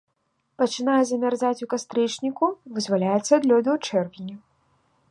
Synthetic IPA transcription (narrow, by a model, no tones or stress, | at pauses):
pɐt͡ʂɨnajɛzɐmʲarzat͡sʲukast̪ɾɨt͡ʂnʲikuvɨzvalʲajɛt̪sːɐd̪lʲɔd̪ɨt͡ʂɛrvʲinʲu